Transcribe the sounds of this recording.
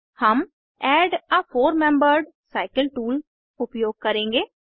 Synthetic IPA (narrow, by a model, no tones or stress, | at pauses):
həm | ɛːɖaːpʰoːɾmɛ̃ːmbəɾɖsaːɪkəlʈuːl | ʊpjoːɡ̚kəɾẽːŋɡeː